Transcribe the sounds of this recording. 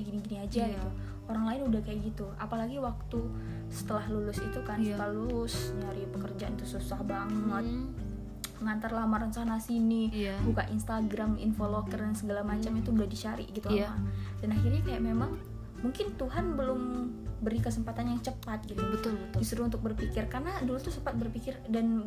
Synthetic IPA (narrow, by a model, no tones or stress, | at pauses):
ɡiniɡiniad͡ʒaɡit̪u | oɾaŋlaɪnudahkajaʔɡit̪uapalaɡiwak̚t̪u | sə̥t̪əlahlulʊsit̪ukant̪alʊsnaɾipəkərd͡ʒaʔanit̪ususahbaŋət̪̚ | ŋant̪arlahmaɾansanasinibukaʔinst̪aɡɾamḭnfolokərdansəɡalamat͡ʃamit̪uudahdit͡ʃaɾḭʔɡit̪ulamadanaɦirɲakajaʔmemaŋ | muŋkɪnt̪uɦanbəlʊmbəɾikəsəmpat̪anjaŋt͡ʃəpat̪̚ɡit̪ubət̪ʊlbəisəɾuunt̪ʊk̚bərpikɪrkarnadulut̪usəmpat̪̚bərpikɪrdan